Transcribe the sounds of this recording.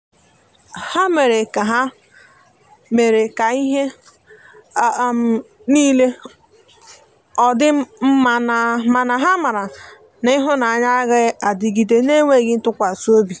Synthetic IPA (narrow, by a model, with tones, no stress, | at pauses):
ha˦me˨ɾe˨ka˨ɦa˦ | me˨ɾe˨ka˨i˦ɦe˦˨ | m̩˨ | niː˦le˦ | ɔ˨dɪ˦m̩˦ma˨na˨ma˨na˨ɦa˦ma˨ɾa˨ | na˦i˦ɦʊ˦na˨a˨ɲa˦ɣɪ˦a˨di˨ɡi˨de˦ne˦ŋʷe˦˨ɡɪ˦n̩˦tʊ˦kʷa˨su˦o˦bi˨